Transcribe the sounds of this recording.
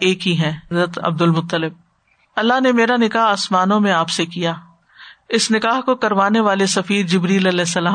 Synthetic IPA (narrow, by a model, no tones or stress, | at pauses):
eːkɦiɦɛ̃ːɾət̪ɐ̰b̚d̪ʊlmʊt̪ːəlɪb̚ | ɐlːaɦnemeːɾanɪkaːɦaːsmaːnõmẽaːpsekijaː | ɪsnɪkaːɦkokɐɾʋaːneʋaːlesɐfiːɾd͡ʒɪbɾiːlɐlɛːsːɐlaː